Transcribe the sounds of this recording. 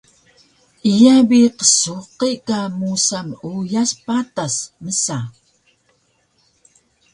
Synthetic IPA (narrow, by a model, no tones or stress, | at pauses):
ijabiqə̥suqiʔkamusamujaspatasməsa